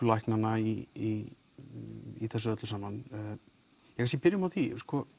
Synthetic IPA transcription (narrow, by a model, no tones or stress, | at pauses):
lajhknanːaii | iθɛsʏœt̪lʏsaːmːan | jɛhʰasjɛpɪɾjʏmawθiskɔ